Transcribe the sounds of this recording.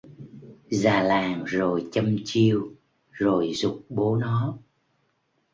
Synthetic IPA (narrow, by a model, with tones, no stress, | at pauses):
zaː˨˩laː˨˩ŋzo˨˩jt͡ɕə˧mt͡ɕi˧əw | zo˨˩jzʊ˨˩k͡p̚ɓo˨˦nɔ˨˦